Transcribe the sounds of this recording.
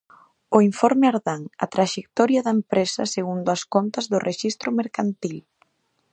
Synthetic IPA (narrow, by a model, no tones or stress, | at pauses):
ʊiɱfɔɾmeaɾðaŋɐt̪ɾaʃek̚t̪ɔɾjɐðɐempɾesɐ̰seɣund̪ʊɐskɔnt̪ɐzðʊrʔeʃist̪ɾʊmeɾkant̪il